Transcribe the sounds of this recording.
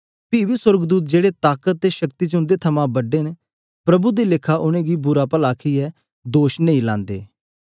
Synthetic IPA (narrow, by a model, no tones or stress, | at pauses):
piːbiːsəɾɡd̪uːt̪̬̚d͡ʒeːɽet̪aːkət̪̚ːeʃəkt̪iːt͡ʃʊ̃nd̪eːt̪ʰəmãbəɖeːn | pɾəbud̪iːlɪkʰːaʔʊñẽːɡiːbʊɾaːpəlaːkʰiːɛː | d̪oːʃnə̃ĩːlãːnd̪ḛː